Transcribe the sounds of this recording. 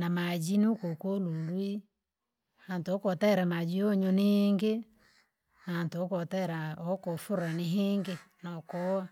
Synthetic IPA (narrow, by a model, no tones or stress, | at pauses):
namad͡ʒinukokolulwi | hantːkɔtaɛɾamad͡ʒioɲoniŋɡe | naantokɔtaɾaɔkofuɾaniɦiŋɡenɔkɔwa